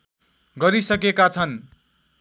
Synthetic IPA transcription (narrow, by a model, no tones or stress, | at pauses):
ɡʌɾisʌkekat͡sʰʌn